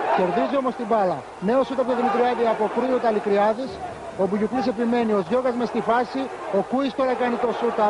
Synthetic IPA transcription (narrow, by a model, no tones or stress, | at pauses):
ce̞ɾðizio̞mo̞st̪ibɐlɐ | ne̞osut̪ɐp̬uoðimit̪ɾiɐt̪eɐpo̞kɾujut̪ɐlikɾiɐðis | o̞buʝuplise̞pime̞nio̞zʝo̞ɣɐzmest̪ifɐsio̞kuist̪o̞ɾɐkɐnit̪o̞sut̪ɐ